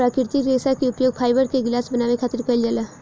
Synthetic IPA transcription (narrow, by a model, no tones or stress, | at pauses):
ɾakiɾt̪ikɾesakeupjoɡ̚pʰajbəɾkeɡlasbənaʋekʰat̪iɾkəld͡ʒala